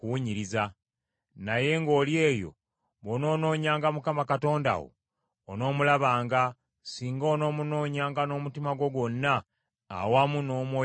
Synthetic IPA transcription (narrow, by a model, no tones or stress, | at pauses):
kuwuɲiɾiza | naje̞ŋɡo̞ːlje̞ːjo̞̰ | βono̞ːno̞ːɲaːŋɡamukamakato̞ːnda̰wo̰ː | no̞ːmulaβaːŋɡa | siːŋɡoːno̞ːmuno̞ːɲaːŋɡano̞ːmutimaɡwo̞ɡwo̞nːa̰ː | wamuno̞ːmwoː